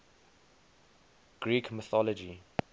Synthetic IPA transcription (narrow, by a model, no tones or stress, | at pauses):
ɡ̥ɹiːkʰmɪθɔlɔd͡ʒi